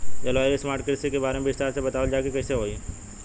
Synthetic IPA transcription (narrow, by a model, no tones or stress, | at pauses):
d͡ʒɛlaːjesmaːɾʈ̚kɾɪsikebaːɾemebɪst̪aːɾsebɐt̪aːʋəld͡ʒaːkekɛːseɦoːi